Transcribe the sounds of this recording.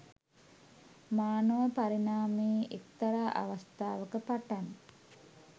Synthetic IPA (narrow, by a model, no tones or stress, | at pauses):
maːnəʋəpaɾinaːmeːʔekt̪aɾaːʔa̰ʋast̪aːʋəkəpaʈan